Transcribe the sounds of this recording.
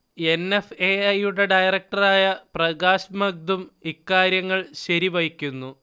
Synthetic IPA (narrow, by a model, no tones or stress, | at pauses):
e̞nefeɐjuɽe̞ɖɐjrɐk̚ʈɐraːjɐprɐɡaːɕɐmɐɡ̚d̪umikːaːɾjɐŋːɐɭɕɐɾiʋɐjikʲːunːu